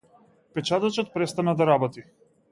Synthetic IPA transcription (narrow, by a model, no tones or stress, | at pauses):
pɛt͡ʃat̪at͡ʃɔt̪̚pɾɛst̪anad̪aɾabɔt̪i